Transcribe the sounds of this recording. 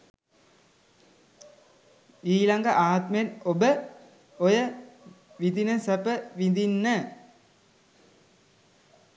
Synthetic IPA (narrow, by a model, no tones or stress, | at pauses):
iːlaŋɡaʔaːt̪məenobə | ojə | ʋid̪inəsəpəʋind̪inːə